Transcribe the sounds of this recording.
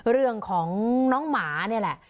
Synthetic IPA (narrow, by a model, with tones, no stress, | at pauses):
ɾɯ˥˩əŋkʰɔː˩˦ŋnɔː˦˥ŋmaː˩˦ni˥˩ɐlɛ˨˩ʔ